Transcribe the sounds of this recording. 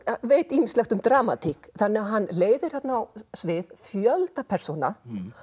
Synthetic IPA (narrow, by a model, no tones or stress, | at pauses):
veːjt̪iːmɪstlɛxt̪ʏmd̪ɾaːma̰t̪ʰikθanːɛaɦanːleːjðɪɾ̥θɛt̪naawsvɪðfjœlt̪apʰɛr̥sona